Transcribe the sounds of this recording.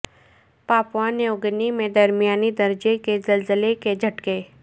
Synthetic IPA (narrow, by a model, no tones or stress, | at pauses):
paːpʋãːneʊɡnimẽd̪ɐɾmijaːnid̪ɐɾd͡ʒekezɐlzəleked͡ʒʱɐʈkeː